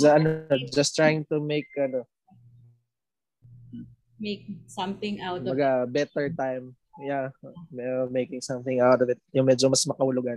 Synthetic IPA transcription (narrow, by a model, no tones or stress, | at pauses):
sɐʔɐnod͡ʒɐst̪ɹajɪ̃ŋt̪ʊmeɪk̚ʔɐno | meɪk̚sɐ̃mθɪ̃ŋʔawmɐɡabɛt̪ɛɹt̪ajm | jamɛmejkɪ̃ŋsɐ̃mθɪ̃ŋawt̪ɔvɪt̪̚jʊŋmɛd͡ʒomɐsmɐkɐhʊlʊɡan